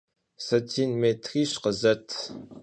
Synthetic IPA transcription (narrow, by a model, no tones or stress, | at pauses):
sɐtʰiːnmeːtʰriːɕqəzɐtʰ